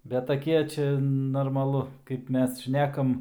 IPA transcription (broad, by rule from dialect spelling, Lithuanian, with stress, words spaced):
bʲɛt tɐˈkʲiɛ ˈt͡ʃʲɛ noːrmɐˈlˠʊ kɐɪp ˈmʲɛs ˈʃʲnʲæːkɐm